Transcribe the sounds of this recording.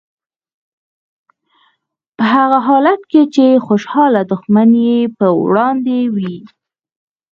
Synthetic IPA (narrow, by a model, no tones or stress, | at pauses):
pəɦaɣaɦɑlat̪ket͡ʃexoʃhɑlad̪ʊxmanjepəwɽɑnd̪ewi